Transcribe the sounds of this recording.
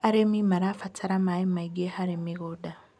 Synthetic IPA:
aɾemimaɾafatʰaɾamaimaiɡehaɾemiɡoda

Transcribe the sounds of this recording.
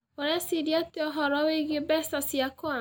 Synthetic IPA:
ɔɾɛsiɾjatɪɔɦɔɾɔweɡebɛsasiakɔa

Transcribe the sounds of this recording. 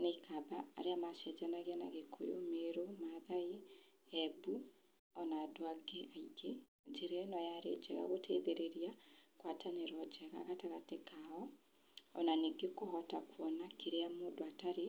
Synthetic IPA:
neikaba̰ːɾeamaʃɛd͡ʒanaɣeana̰ɣekʰo̰jo̰meɾomaðaiɛbu | ɔnadoaɡeaiɡe | d͡ʒeɾɛnɔjaɾḛd͡ʒɛɣa̰ɣotʰeðeɾeɾiakwatʰaneɾɔd͡ʒɛɣa̰ɣataɣatekaɔ | ɔ̰naneɡekohɔtakwɔnakeɾeamoːdoataɾe

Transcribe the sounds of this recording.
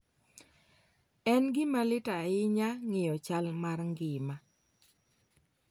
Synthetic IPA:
ɛnɡɪmalɪtaɪɲaŋɪjɔt͡ʃalmarŋɡɪma

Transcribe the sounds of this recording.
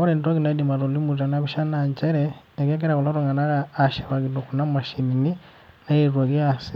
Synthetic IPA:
oɾentoɣinaidimaɾolimutanaβiʃanaɲt͡ʃeɾe | ekekeɾakuloɾoŋɡanaɣaːʃeβakitokunamaʃinini | naiɾwaɣjasi

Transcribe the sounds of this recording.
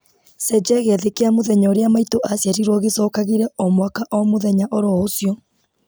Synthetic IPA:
sɛd͡ʒɛɣeɛðekeamoðɛɲaoɾeamaitoʔasjaɾiɾwɔɣesɔːkaɣiɾɛʔɔmwakaʔɔmoðɛɲaʔoɾɔosjɔ

